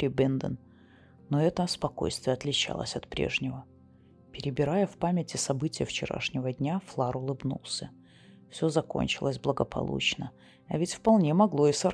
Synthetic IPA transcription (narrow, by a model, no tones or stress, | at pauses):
ɾʲɪbɛnd̪ə̰n | noɛt̪əspɐko̞̰jst̪vʲɪjəɐt̪lʲɪt͡ɕa̰lˠə̰sʲɐt̪pɾʲḛʐnʲɪvə | pʲɪɾʲɪbʲɪɾajəfpamʲɪtʲɪsɐbɨtʲɪjəft͡ɕɪɾa̰ʂnʲɪvədʲnʲaflˠaɾʊlˠɨbnṵlˠsʲə | fsʲozɐko̞̰nʲt͡ɕɪlˠəsʲblˠəɡəpʰɐ̰lˠṵt͡ɕnə | ɐvʲɪtʲfpɐlˠnʲemɐɡlˠo̞ɪsər